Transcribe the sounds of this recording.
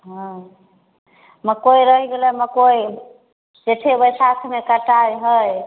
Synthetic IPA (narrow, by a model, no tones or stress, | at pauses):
ɦə̃ | məkojɾəɦiɡelɛməkoj | d͡ʒeʈ̪ʰebəjsak̪ʰmekəʈajɦəj